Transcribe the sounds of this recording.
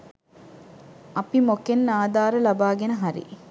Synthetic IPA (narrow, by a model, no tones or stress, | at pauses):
ɐpimokenːaːd̪aːɾəlɐbaːɡenəɦaɾḭ